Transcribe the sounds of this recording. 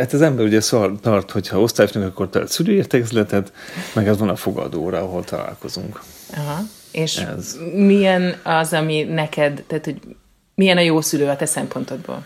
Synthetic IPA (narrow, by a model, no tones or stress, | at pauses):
at̪ɒzɛmbɛɾuɟɛsort̪ɒrt̪ho̞cʰhɒo̞st̪aːjfnɛŋkɒkːo̞rt̪ɛ̰syløːirt̪ɛkɡɛzlɛt̪ɛt̪mɛɡɛzʋɒnɒfo̞ɡɒ̰d̪oːɾɒɒɦo̞lt̪ɒla̰ːlko̞zuŋkɒɦɒ | eːʃɛ̰zmijɛnɒzɒminɛkɛd̪t̪ɛːt̪hoɟ | mijɛnɒjoːsyløːɒt̪ɛsɛmpo̞nt̪o̞d̪̚bo̰ːl